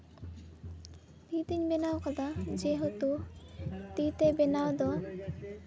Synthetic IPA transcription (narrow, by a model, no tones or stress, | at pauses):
pit̪iɲbenawkad̪ad͡ʒeɦot̪u | t̪it̪ebenawd̪ɔ